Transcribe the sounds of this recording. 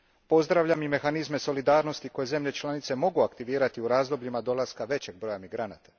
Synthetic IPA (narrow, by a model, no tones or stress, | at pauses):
po̞zd̪ɾaʋʎamime̞xanizme̞so̞lid̪aːɾno̞st̪iko̞je̞ze̞mʎe̞t͡ʃlˠanit̪se̞mo̞ɡuakt̪iʋiːɾat̪iuɾaːzd̪o̞bʎimad̪o̞laskaʋe̞t͡ɕe̞ɡ̚bɾo̞ːjamiɡɾanaːt̪ḁ